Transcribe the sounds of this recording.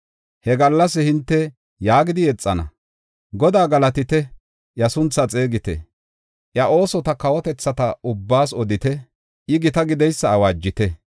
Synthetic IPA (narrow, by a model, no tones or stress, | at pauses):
hɛɡɐlːɐsɪhɪnt̪ːɛ | jaːɡɪd̪ɪjɛt͡sʼːɐnɐ̰ | ɡɔd̪aːɡɐlɐt̪ɪt̪ɛ | jɐsʊnt͡sːɐt͡sʼe̞ːɡɪt̪ɛ̰ | ʔjɐʔo̞ːsɔt̪ɐkɐwɔt̪ɛt͡sːɐt̪ɐʊbːaːsɔd̪ɪt̪ɛ | ʔɪɡɪt̪ɐɡɪd̪ɛjsːɐːwaːd͡ʒːɪt̪ɛ